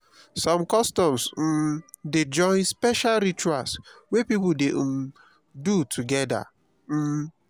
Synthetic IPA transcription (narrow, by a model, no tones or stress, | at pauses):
sɔ̃mkɔstɔ̃ms̩ | ded͡ʒɔ̃ɪ̃nspɛʃalɾit͡ʃua̰lswepipʊdeʔm̩ | dutʰuɡɛda̰ | m̩